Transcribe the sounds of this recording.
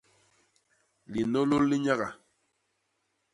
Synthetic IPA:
li˨no˦lo˦lːi˦ɲa˦ɣa˨

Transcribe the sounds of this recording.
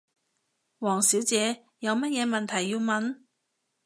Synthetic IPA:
wɔː˨˩ŋsiː˨˥wt͡sɛː˨˧ | jɐ˨˧wmɐ˥t̚jɛː˨˧mɐ˨nt̪ʰɐ˨˩jːiː˧wmɐ˨˧n

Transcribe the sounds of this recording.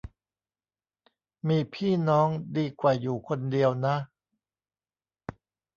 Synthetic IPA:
miː˧pʰiː˥˩nɔː˦˥ŋdiː˧kwaː˨˩juː˨˩kʰo˧ndi˧əwna˦˥

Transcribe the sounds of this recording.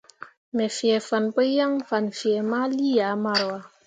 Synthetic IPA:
mɛ˨fi˨ɛ˨fa˨npə˦ja˦ŋfa˨nfi˨ɛ˨ma˦li˦ja˨˦ma˦ɾwa˨

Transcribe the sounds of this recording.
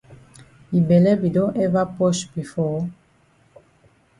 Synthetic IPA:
i˨bɛ˨lɛ˦bi˨dɔ̃˦ʔɛ˦va˦pɔ˦ʃbi˨fɔ˦

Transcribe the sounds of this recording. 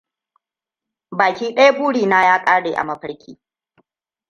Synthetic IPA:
baː˨kʲiː˦ɗɐ˦ja˦buː˦ɽiː˨naː˦jaː˦kʼaː˦ɽeː˨ʔa̰˨mɐ˦ɸɐ˦ɽkʲḭː˦

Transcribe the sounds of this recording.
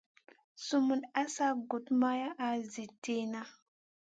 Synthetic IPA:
su˦mu˨na˦sa˦ɡu˨tma˦ja˦ʔa˨zi˨te˦na˦

